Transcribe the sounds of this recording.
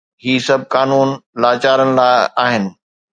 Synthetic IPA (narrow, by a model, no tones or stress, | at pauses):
ɦiːsɐb̚ʱkaːnuːnlaːt͡ɕaːɾənɪlaːɪaːɦɪnɪ̆